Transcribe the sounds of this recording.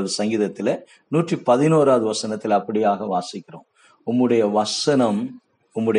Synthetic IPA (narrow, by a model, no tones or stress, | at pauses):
ðɯsɐŋɡiːðɐt̪ːɪlɐ | nuːʈripɐðɪnoːɾaːɐðɯʋɐsɐnɐt̪ːɪlɐpːɐɽɪjaːɣɐʋaːsɪkːɪrõ̰ː | ʊmːɯɽɐjɐʋɐsɐnɐm | ʊmːɯɽɐ